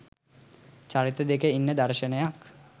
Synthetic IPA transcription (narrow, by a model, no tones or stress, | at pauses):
t͡ɕaɾit̪əd̪ekeinːəd̪aɾʃənejak